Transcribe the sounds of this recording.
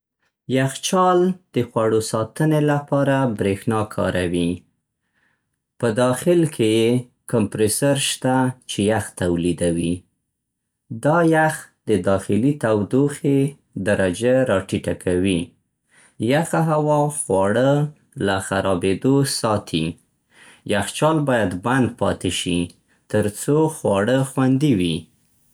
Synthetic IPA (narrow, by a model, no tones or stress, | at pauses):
jaxt͡ʃɑld̪̥əxwaɽosɑt̪ənelapɑɾabɾexnɑkʰɑ̰ɾʔawi | pəd̪ɑxɪlkʰeje | kampɾesaɾʃt̪at͡ʃejaxt̪awlid̪awi | d̪ɑjaxd̪əd̪ɑxɪlit̪awd̪oxe | d̪aɾad͡ʒaɾɑʈiʈakʰawi | jaxaɦawɑxwɑɽə | laxaɾɑbed̪osɑt̪ʰi | jaxt͡ʃɑlbɑjad̪band̪̚pɑt̪eʃi | t̪əɾt͡soxwɑɽəxwand̪iwi